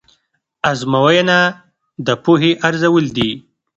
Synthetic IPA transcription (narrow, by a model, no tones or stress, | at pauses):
azmawajna | d̪əpuɦeʔaɾzawəld̪i